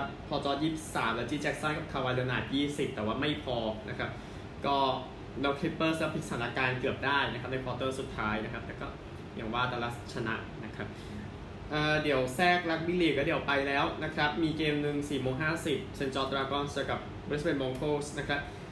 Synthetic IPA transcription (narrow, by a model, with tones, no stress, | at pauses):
p̚pʰɔː˧t͡ɕɔː˧jiː˥˩p̚s̚saː˩˦mlɛː˦˥wt͡ɕiː˧˥t͡ɕɛ˦˥k̚saː˥˩nka˨˩p̚kʰa˧˩wa˧leː˧naː˨˩t̪̚jiː˥˩si˨˩p̚t̪ɛː˨˩waː˥˩ma˥˩jpʰɔː˧nʔa˦˥kʰa˦˥p̚ | kɔː˥˩ | lɛː˦˥wkʰli˦˥pːɤː˥˩slɛː˦˥wpʰi˨˦˥saː˨˦na˧kaː˧nkɯ˨˩əp̚daː˥˩jna˦˥kʰa˦˥p̚na˧jpʰɔː˧t̪ɤː˥˩su˨˩t̪ʰːaː˦˥jna˦˥kʰa˦˥p̚lɛː˧˩˦kɔː˥˩ | ja˨˩ŋwaː˥˩t̪aː˧la˦˥t͡ɕʰa˧na̰˦˥ʔna˦˥kʰa˦˥p̚ | ʔaː˨˩di˨˩˦əwsɛː˥˩k̚ɾa˦˥k̚bi˦˥li˨˩kɔː˥˩di˩˦əwpa˧jlɛː˦˥wna˦˥kʰɾa˦˥p̚miː˧keː˧mnɯ˨˧ŋsiː˨˩moː˧ŋɦaː˥˩si˨˩p̚sʰe˧nt͡ɕɔː˧t̪ɾaː˧kɔː˧˩nst͡ɕa˧ka˨˩p̚ | b̪̚swe˧nmɔː˧ŋkʰoː˥˩sna˦˥kʰɾa˦˥p̚